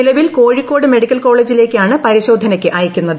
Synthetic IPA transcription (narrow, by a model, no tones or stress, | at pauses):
ilɐʋilko̞ːɻikːo̞ːɽɨme̞ɽikʲːɐlko̞ːɭe̞ːd͡ʑile̞ːkʲːɨaːɳɨpɐɾiɕo̞ːd̪ʱɐnɐkʲːɨʔɐjɐkʲːunːɐðɨ